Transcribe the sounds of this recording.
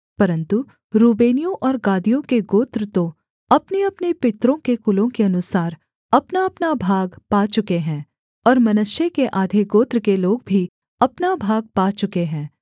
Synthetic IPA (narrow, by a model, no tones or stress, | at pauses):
pɐɾə̃nt̪u | ɾuːbeːnijõʔɔːɾɡaːd̪ijõkeɡoːt̪ɾət̪o | ɐpneɐpnepɪt̪ɾõkekʊlõkeɐnʊsaːɾ | ɐpnaɐpnabʱaːɡpaːt͡ʃʊkeɦɛ̃ː | ɔːɾmɐnʊʃjekeʔaːd̪ʱeɡoːt̪ɾəkeloːɡ̚bʱi | ɐpnabʱaːɡ̚paːt͡ʃʊkeɦɛ̃ː